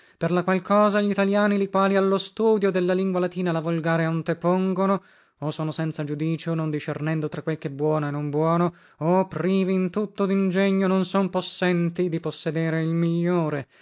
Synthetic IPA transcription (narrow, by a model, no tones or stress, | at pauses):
perlakwalkɔːzaʎit̪aljaːnilikwaːlialːost̪uːd̪jod̪elːaliŋɡwalat̪iːnalavolɡaːɾeont̪epoŋɡono | osoːnosɛnt̪sad͡ʒud̪iːt͡ʃonond̪iʃernɛnd̪ot̪ɾakwelkɛbːwɔːnoenːombwɔːno | opriːviːnt̪ut̪ːod̪ind͡ʒɛɲːononsomposːɛnt̪id̪iposːed̪eːɾeilmiʎːoːɾe